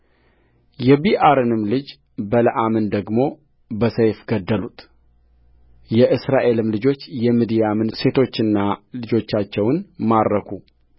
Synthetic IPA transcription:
jɛbiʔaɾɨnɨmlɨd͡ʒ | bələʔamənd̪əɡmo̞ | bəsəjfɡ̥əd̪ːəlut̪ʰ | jɛʔɨsɾaʔe̞lɨmlɨd͡ʒo̞t͡ʃːjɛmɨd̪ijamɨnse̞t̪ʰo̞t͡ʃːɨnːalɨd͡ʒo̞t͡ʃːat͡ʃːɛwnmaɾːəkʰu

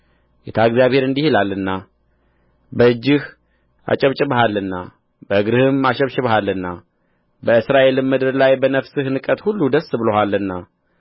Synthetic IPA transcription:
jɛt̪ʰaɨɡzjaβhe̞ɾɨnd̪ihilalːɨnːa | bəɨd͡ʒːɪh | a̰t͡ʃʼɛβt͡ʃʼɪβɦalːɨnːa̰ | bəɨɡɾɨhɨmaʃəβʃɪβhalːɨnːa | bəɨsɾaʔe̞lɨmmːɨd̪ɨɾlajbənəfsɨhnɨkʼət̪hulːud̪əsbɨlohalːɨnːa

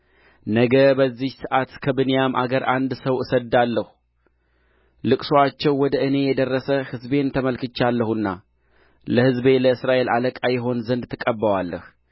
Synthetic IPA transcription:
nəɡəbəzːihsɨʔat̪kʰəbɨnijamʔa̰ɡəɾʔand̪səwɨsəd̪alːəhu | lɨkʼsoat͡ʃːɛwːɔd̪əɨne̞jɛd̪ərːəsəhɨzbe̞nt̪ʰəməlkɨt͡ʃːalːəhuɨnːa̰ | ləhɨzbe̞ləɨsɾaʔe̞lʔaləkʼajɪɦo̞nzənd̪t̪ʰːɨkʼəbːəwalːəh

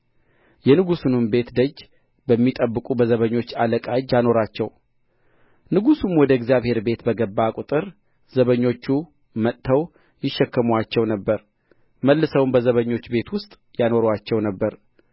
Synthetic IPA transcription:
jɛnɨɡusunumbe̞t̪d̪əd͡ʒː | bəmːit̪ʼəbːɨkʼubəzəβəɲːo̞t͡ʃːaləkʼad͡ʒːjano̞ɾat͡ʃːɛw | nɨɡusumwɔd̪əɪɡzijaβhe̞ɾbe̞t̪bəɡəbːakʼut̪ʼɨɾ | zəβəɲːo̞t͡ʃːu | mət̪ːʰəw | jɪʃːɛkːəmuat͡ʃːɛwnəbːəɾ | məlːɨsəwmbəzəβəɲːo̞t͡ʃːbe̞t̪wʊst̪ʼ | jano̞ɾwat͡ʃːɛwnəbːəɾ

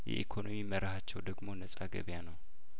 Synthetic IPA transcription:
jɛ̰ʔikʰo̞no̞miməɾahat͡ʃːɛwd̪əɡmo̞nəsʼaɡə̰βjanəw

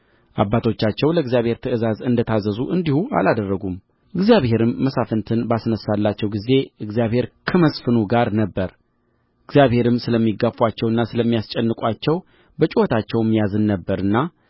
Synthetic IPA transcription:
ʔabːat̪ʰo̞t͡ʃːat͡ʃːɛwləɨɡzjaβhe̞ɾt̪ʰəɨzazɨnd̪ət̪ʰazəzuʔɨnd̪ihuʔa̰lad̪ərːəɡum | ʔɨɡzijaβhe̞ɾɨmːəsafənt̪ʰɨnbasnəsːalːat͡ʃːɛwɡize̞ɨɡzijaβhe̞ɾkʰəməsfɨnuɡaɾnəbːəɾ | ʔɨɡzjaβhe̞ɾɨmsɨləmːiɡːafuat͡ʃːɛwɨnːasɨləmːijast͡ʃʼɛnːɨkʼʷat͡ʃːɛw | bət͡ʃʼiwot̪ʰat͡ʃːɛwɛmːijazɨnːəbːəɾɨnːa

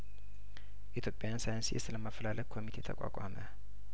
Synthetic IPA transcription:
ʔit̪ʰjopʼːɪjansajansijɛ̰sɨləmafəlaləkʰomit̪ʰet̪ʰɐ̰kʼa̰kʼa̰mɛ̰

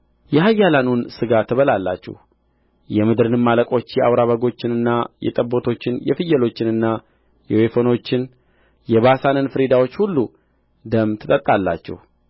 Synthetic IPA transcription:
jɛɦajːalanunsɨɡat̪ʰːəβəlalːa̰t͡ʃːɛ̰h | jɛmɨd̪ɨɾɨnɨmːaləkʼo̞t͡ʃːjɛʔawɾaβəɡo̞t͡ʃːɪnɨnːajɛ̰t̪ʼəbːo̞t̪ʰo̞t͡ʃːɪnjɛfɨjːɛlo̞t͡ʃːɪnɨnːa | jɛwefo̞no̞t͡ʃːɪn | jɛβasanɨnfɨɾed̪awo̞t͡ʃːhulːu | d̪əmt̪ʰɨt̪ʼət̪ʼːalːa̰t͡ʃːɛ̰h

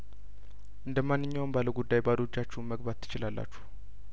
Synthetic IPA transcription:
ʔɨnd̪əmanːɨɲːawmbaləɡud̪ːajbad̪od͡ʒːat͡ʃːɛwməɡbat̪ʰːɨ̥t͡ʃɪlalːa̰t͡ʃːu̥h

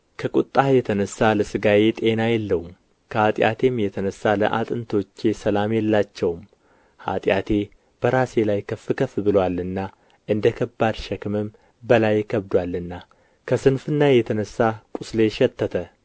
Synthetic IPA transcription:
kʰəkʼut̪ʼːajɛt̪ʰənəsːaləsɨɡajet̪ʼe̞najɛlːəwum | kʰəhat̪ʼjʔa̰t̪ʰe̞mjɛt̪ʰənəsːalə̰ʔa̰t̪ʼɨnt̪ʰo̞t͡ʃːe̞səlamjɛlːat͡ʃːɛwm | ha̰t̪ʼjat̪ʰe̞ | b̥əɾase̞lajkʰəfɨkʰəfɨbɨlwalːɨnːa | ʔɨnd̪əkʰəbːad̪ʃɛkʰɨmɨm | bəlajkʰəβd̪walːɨnːa | kʰəsɨnfɨnːajɛt̪ʰənəsːakʼʊsle̞ʃɛt̪ːət̪ʰə

